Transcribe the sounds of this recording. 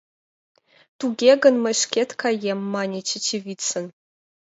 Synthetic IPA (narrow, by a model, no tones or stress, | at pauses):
tuɡʲeɡɐnmɐʂkʲetkʰajemːaːnʲet͡ʃʰɐt͡ʃʰivʲiːt͡sʰɨn